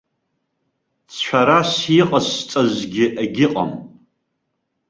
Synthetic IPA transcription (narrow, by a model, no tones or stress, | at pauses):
t͡sʰʃʷʰᶣaɾasjiqʼast͡sʼazɡʲɪʔaɡʲɪqʼa̰m